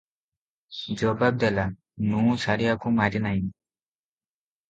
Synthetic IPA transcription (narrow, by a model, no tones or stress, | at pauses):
d͡ʒɔbab̚d̪ɛla | nũsaɾijakumaɾinaj